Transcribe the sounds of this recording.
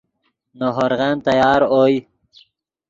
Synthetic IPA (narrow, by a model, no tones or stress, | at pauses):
noɦoɾɣant̪ajɑːɾoj